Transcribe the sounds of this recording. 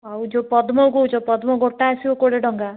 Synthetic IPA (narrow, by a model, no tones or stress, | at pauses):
awd͡ʒopɔd̪mɔɡout͡ʃopɔd̪mɔɡoʈːasiokoɽeɖɔŋɡa